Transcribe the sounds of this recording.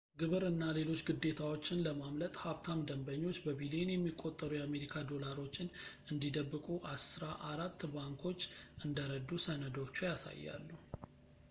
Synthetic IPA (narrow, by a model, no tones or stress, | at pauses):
ɡɨβɨɾɨnːale̞lo̞t͡ʃːɡɨd̪ːe̞t̪ʰawo̞t͡ʃːɪnləmamlət̪ʼhaβt̪ʰamd̪əmbəɲːo̞t͡ʃːbəβilijenjɛmːikʼo̞t̪ʼːəɾujame̞ɾikʰad̪o̞laɾo̞t͡ʃːɪn | ɨnd̪id̪əbːɨkʼuʔasɨɾaʔaɾat̪ːbaŋkʰo̞t͡ʃːɨnd̪əɾəd̪usənəd̪o̞t͡ʃːujasa̰jːa̰lːu